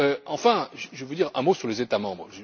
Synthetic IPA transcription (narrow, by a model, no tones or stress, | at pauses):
øɑ̃fɛ̃ʒəʒəvud̪iʁɛ̃mosyʁlezet̪amɑ̃bʁʒə